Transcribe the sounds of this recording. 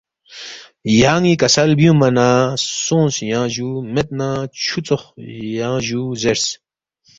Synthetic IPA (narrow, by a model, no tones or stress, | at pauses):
jaːŋikɐsɐlbjũmɐnasõːnsjãːʑumet̪̚nãt͡ɕʰut͡soχjãːʑuzeɾs